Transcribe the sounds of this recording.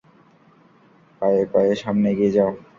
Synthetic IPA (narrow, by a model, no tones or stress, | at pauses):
pajekajeʃamneɡied͡ʑao